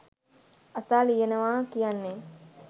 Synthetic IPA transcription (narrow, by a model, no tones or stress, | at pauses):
asaːlijenəʋaːkijanːe